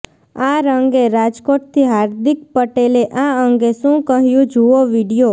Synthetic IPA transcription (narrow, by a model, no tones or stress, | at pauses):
aɾəŋɡeɾad͡ʒkoʈ̚t̪ʰiɦaɾd̪ik̚pəʈeleʔaəŋɡeʃũkəɦjũd͡ʒuoʋiɽijo